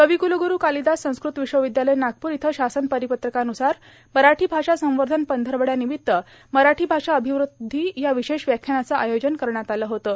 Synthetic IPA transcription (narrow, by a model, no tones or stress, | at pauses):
kəʋikuluɡuɾuːkalid̪asə̃w̃skɾut̪ʋiɕʋəʋid̪jaləjnaɡ̚puːɾit̪ʰəɕasənpəɾipət̪ɾəkanusaɾ | məɾaʈʰiːbʱaʂasə̃w̃ʋəɾd̪ʱənpənd̪ʱəɾʋəɽjaniʋit̪ːə | məɾaʈʰiːbʱaʂaəbʱiʋɾud̪ʱːijaʋiɕeɕʋjakʰjənat͡səʔajod͡ʑənkəɾɳjat̪aləːɦot̪ə